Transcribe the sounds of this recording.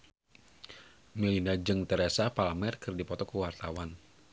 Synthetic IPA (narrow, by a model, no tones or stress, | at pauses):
milinad͡ʒɨŋt̪ɛɾɛsapalamɛrkɨrdipɔt̪ɔkuwart̪awan